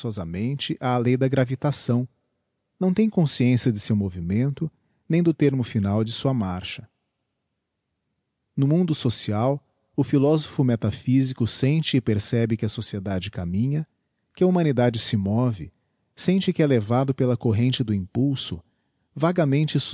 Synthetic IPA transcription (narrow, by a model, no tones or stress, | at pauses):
ɔzɐmẽnt͡ʃɪʔaːlejd̪ɐɡɾavit̪asɐ̃w̃ | nɐ̃w̃t̪ẽj̃kõsiẽsiɐd͡ʒ̪ɪsewmovimẽnt̪ʊ | nẽj̃d̪ʊt̪eɾmʊfinawd͡ʒɪsuɐmaɾʃɐ | nʊmũnd̪ʊsosiaw | ʊfilɔzofʊmet̪afizikʊsẽnt͡ʃɪɪpeɾsɛbɪkɪɐsosied̪ad͡ʒɪkamĩɲɐ | kɪɐumɐ̃nid̪ad͡ʒɪsɪmɔvɪ | sẽnt͡ʃɪkɪɛlevad̪ʊpelɐkoɦẽnt͡ʃɪd̪ʊĩpuwsʊ | vaɡɐmẽnt͡ʃɪs